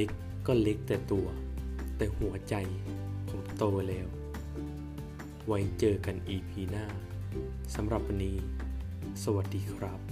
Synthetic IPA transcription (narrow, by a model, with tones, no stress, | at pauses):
e˦˥kː | ɔː˥˩le˦˥k̚t̪ɛː˨˩t̪u˧ɐt̪ɛː˨˩hu˩˦ɐt͡ɕa˧jso˧˩˦kt̪oː˧lɛː˦˥w | wa˧˥jt͡ɕɤː˧ka˧nʔiː˧pʰiː˧naː˥˩ | sa˨˦mɾa˨˧˩p̚ʰniː˦˥ | sa˧wa˧˩t̪̚diː˧˩kʰɾa˦˥p̚